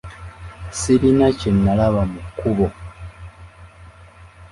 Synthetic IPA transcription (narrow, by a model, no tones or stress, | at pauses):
siɾinacenːalaβamukuβo